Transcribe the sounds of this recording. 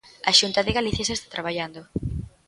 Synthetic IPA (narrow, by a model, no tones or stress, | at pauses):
aʃunt̪aðɪɣaliθjasest̪ḁt̪ɾaβaʎand̪o